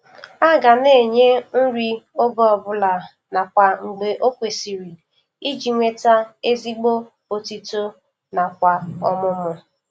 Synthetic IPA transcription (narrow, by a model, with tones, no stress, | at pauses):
a˦ɡa˨ne˦˨ɲe˦n̩˦ɾi˦o˦ɡɔ˦ɔ˨bʊ˦la˨ | na˨kʷa˨ŋ͡m̩˨ɡ͡be˨ʔo˦kʷe˨si˨ɾi˨ | i˦d͡ʒi˨ŋʷe˦ta˦e˦zi˦ɡ͡bo˦ | o˨ti˦to˦ | na˨kʷa˨ɔ˦mʊ˦mʊ˦